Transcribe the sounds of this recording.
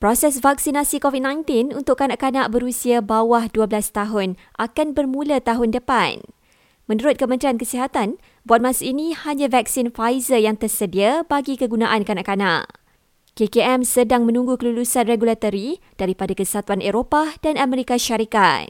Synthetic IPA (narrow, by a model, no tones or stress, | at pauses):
pɾosɛs̬vaksinasikovid̚nãjnt̪ɪnunt̪ʊʔkːanaʔkanaʔbəɾusiabawahduabəlast̪aɦʊnʔakanbərmũlat̪aɦʊndəpan | mə̃nuɾʊt̪̚kəmə̃nt̪ɾiankəsiɦat̪an | buat̪̚mãsainĩhaɲãvak̚sinfajzəjaŋt̪ərsədiabaɡikəɡunaʔankanaʔkana̰ʔ | kekeɛmsədaŋmə̃nũŋɡukəlulusanreɡulat̪oɾi | d̥aɾipadakəsəɦat̪uaneɾopad̥anamɛɾikaʃaɾika̰t̪̚